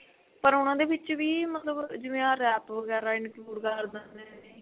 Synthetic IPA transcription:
pəɾʊnãːd̪eːʋɪt͡ʃʋiːmət̪ləbd͡ʒɪʋẽãːɾɛːpʋəɡɛːɾaːɪnkluːɖkəɾd̪ənɛː

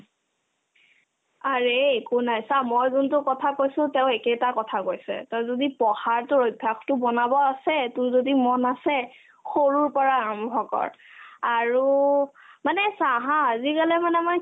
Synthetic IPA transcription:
aɹeːkunajsamɔjzuntʊkɔtʰakojsʊ̃teʊ̃ekɛtakɔtʰakojsɛ̰tɛzodipɔxaɹtʊɹojbʱaxtʊbɔnabɔasɛtʊzodimɔnasɛ | xoɹuɹpɔɹaɔmbʱɔkɔ̰ɹaɹu | manɛsaɦãazikalɛmanɛma

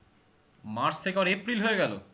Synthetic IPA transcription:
maɾt͡ɕt̪ʰekeaɾepɾilɦoeɡɛlo̰

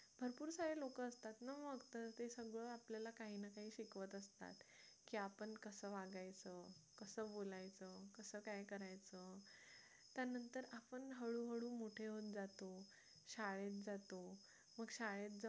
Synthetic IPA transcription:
bʱəɾpuːɾsaɦelokəːst̪at̪naməɡt̪əɾt̪esəɡɭəapljalakaɦiːnakaɦiːɕikʋət̪əst̪a̰t̪kiːapəɳkəsəːʋaɡajt͡səːkəsəːbolajt͡səkəsəːkajkəɾajt͡sə | t̪janənt̪əɾapəɳɦəɭuːɦəɭuːmoʈʰeɦot̪̚d͡zat̪o | ɕaɭet̪̚d͡zat̪o | məɡɕaɭet̪̚d͡z

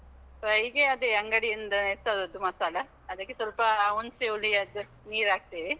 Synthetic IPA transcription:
ɾɐjɡeɐd̪uɐŋɡɐɽijind̪ɐneɾt̪ːɐd̪ɐd̪umɐsaːlɐ | ɐd̪ɐkːesɐlpɐːwunsewliɐd̪u | niːɾaːɡ̚t̪iʋi

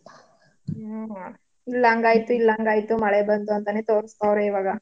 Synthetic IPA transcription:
ilːaːŋɡaːjit̪ːuilːaːŋɡaːjit̪ːumɐɭebɐnd̪uɐnt̪ɐnet̪oːɾist̪aːʋɾeiʋaːɡɐ

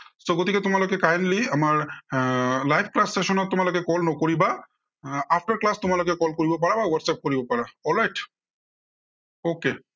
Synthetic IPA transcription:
soɡot̪iket̪ʊmalakekajnliamaɾ | lajbʰklasːeʃɔnɔt̪umaɾlakekɔlnɔkɔɾiba | apʰʈəɾklast̪ʊmaɾlakekɔlkɔɾibop̬aɽabaʋəɾsap̚kɔɾibopaɽaɔlɾajʈ | oke

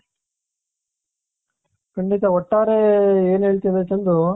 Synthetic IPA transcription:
kɐɳɖit̪ɐɔʈːaːɾeeːnɦeːɭt̪id̪et͡ʃɐnd̪u

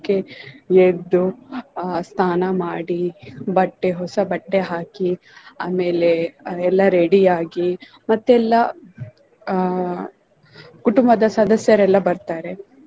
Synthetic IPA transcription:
kejed̪u | st̪ʰaːnɐmaːɽibɐʈːeɦɔsɐbɐʈːeɦaːki | a̰ːmeːleɛlːɐɾeɽiaːɡi | mɐt̪ːuɛlːɐ | kuʈumbɐd̪ɐsɐd̪ʱɐsjɐɾɛlːɐbɐɾt̪aːɾe

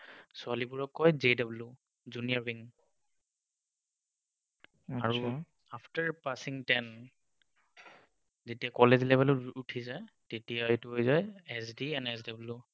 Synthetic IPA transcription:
sʊalibuɹɔkːɔjzedɔblu | zuniaɹbiŋ | aɹu | apʰtaɹpasiŋtɛn | zetijakɔlezlɛbɛlɔtutʰizaj | tetijatuɦojzajɛsdiɛnɛsdablu

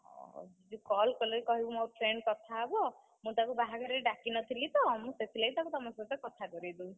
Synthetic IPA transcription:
ɔ̰d͡ʒid͡ʒukɔlkɔlekikɔɦibɔmoʈʰɾeɳɖkɔt̪ʰaebɔ | mũt̪akubaɦakɔɾeɾɖakinɔt̪ʰilit̪ɔmũset̪ʰilejt̪akut̪ɔmɔst̪akɔt̪ʰakɔɾid̪u

